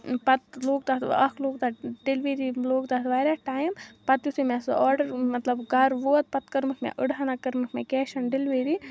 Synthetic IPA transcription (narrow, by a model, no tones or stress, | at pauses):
pɐt̪loːɡ̚t̪aːt̪ɐ̰kʰloːɡ̚t̪aɖilʋiːɾiloːɡt̪aːt̪ʋaːjɾaʈaːjmpɐt̪jusimesɔːɾɖɐɾmɐt̪lɐbɡɐɾʋoːt̪̚pɐt̪kɐɾmɨkmɛ̰̃ʔəɽanakɐɾmɨkmɛ̃kɛːʃɐnɖilʋiːɾi